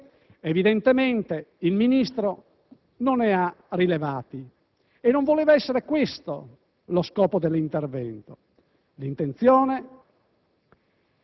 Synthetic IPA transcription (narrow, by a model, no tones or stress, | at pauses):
evid̪ent̪ement̪eilminist̪ɾo | nonɛarilevaːt̪i | enːoɱvoleːvaɛsːeɾekwest̪o̰ | loskɔːpod̪elːint̪ervɛnt̪o̥ | lint̪ent̪sjɔːne